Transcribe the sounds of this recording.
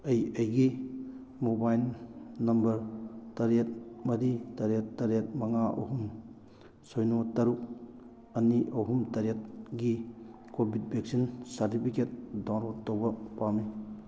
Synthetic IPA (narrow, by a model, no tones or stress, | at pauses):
ɐjɐjɡi | mobajlnɐmbɐɾtɐɾet̚mɐɾitɐɾetːɐɾet̚mɐŋaʔo̰ɦum | sojnotɐɾuk̚ | ɐniʔɐɦumtɐɾet̚ɡi | kobʱit̚bʱek̚sinsaɾtipʰiket̚dawɾotːowbɐpami